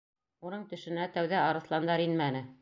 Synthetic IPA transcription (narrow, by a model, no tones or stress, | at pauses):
unɤɴt̪ɵ̆ʃɵ̆næt̪æwðæɑɾɤ̆θlˠɑnd̪ɑɾinmænɘ